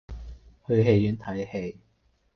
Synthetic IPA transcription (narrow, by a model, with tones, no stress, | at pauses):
hɵ˧ɦe˧jjyː˨˥nt̪ʰɐ˨˥jhe˧j